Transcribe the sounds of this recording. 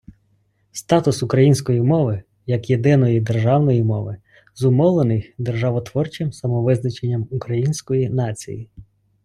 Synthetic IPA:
st̪ɑt̪ʊsʊkɾɐjinʲsʲkɔjimɔʋɪ | jɐkjed̪ɪnɔjid̪e̞rʒɑwnɔjimɔʋɪ | zʊmɔwlˠenɪjxd̪erʒɑʋɔt̪ʋɔrt͡ʃɪmsɐmɔʋɪznɐt͡ʃenʲːɐmukɾɐjinʲsʲkɔjinɑt͡sʲḭjḭ

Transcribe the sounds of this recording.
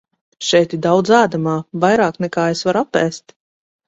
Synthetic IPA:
ʃɛjt̪id̪awd̪zaːd̪amaːvajɾaːknɛkaːesvaɾapːɛːst̪

